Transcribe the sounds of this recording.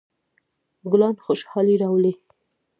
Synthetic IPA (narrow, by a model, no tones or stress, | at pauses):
ɡʊlɑnxoʃhɑliɾawle